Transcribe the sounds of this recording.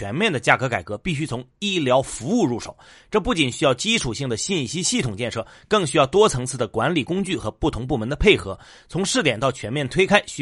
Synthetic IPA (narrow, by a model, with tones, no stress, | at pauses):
ɛ˧˥nmjɛ˥˩nd̪ə˩t͡ɕja˥˩kɤ˧˥ka˨˩ɪkɤ˧˥pi˥˩ɕ̬y˥t͡sʰʊ˧˥ŋi˥˩ljɑ˧˥ʊfu˧˥u˥˧ɻu˥˩ʂo̰˨˩˦ʊ | ʈ͡ʂɤ˥˧pu˥˩t͡ɕi˨˩nɕy˥jɑ˥˩ʊt͡ɕi˥ʈ͡ʂʰu˨˩ɕi˥˩ŋd̪ə˩ɕi˥˩nɕi˥ɕi˥˩t̪ʰʊ˨˩ŋt͡ɕjɛ˥˧nʂɤ˥˩ | kɤ˥˩ŋɕy˥jɑ˥˩ʊt̪wɔ˥t͡sʰɤ˧˥ŋt͡sʰɹ̩˥˩d̪ə˩kwa˧˥nli˨˩kʊ˥ŋt͡ɕy˥˩xɤ˧˥pu˥˩t̪ʰʊ˧˥ŋp̬u˥˩mə˧˥nd̪ə˧pʰe˥˩ɪxɤ̰˧˥ | t͡sʰʊ˧˥ŋʂɻ̩˥˩t̪jɛ˨˩nt̪ɑ˥˩ʊt͡ɕʰɥɛ˧˥nmjɛ˥˩nt̪ʰwe˥ɪkʰa˥ɪɕ